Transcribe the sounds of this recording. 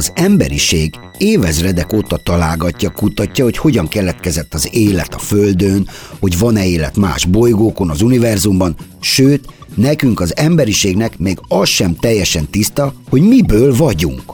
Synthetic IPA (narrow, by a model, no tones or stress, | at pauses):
ɒzɛmbɛ̰ɾiʃeːɡ | eːvɛzrɛd̪ɛkoːt̪ɒt̪ɒlaːlɡɒcːɒkut̪ɒcːɒho̞cho̞ɟɒŋkɛlɛt̪kɛzɛt̪ːɒzeːlɛt̪ːɒføld̪ønho̞ɟvɒnɛeːlɛ̰t̪ma̰ːʒbo̞jɡoːko̞nɒzunivɛrzumbɒnʃøːt̪nɛkyŋkɒzɛmbɛɾiʃeːɡnɛkmeːɡɒsʃɛmt̪ɛjːɛʃɛnt̪ist̪ɒho̞ɟmibøːlvɒɟṵŋk